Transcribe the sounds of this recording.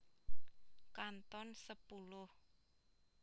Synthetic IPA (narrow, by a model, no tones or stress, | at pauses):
kant̪ɔnsəpulʊh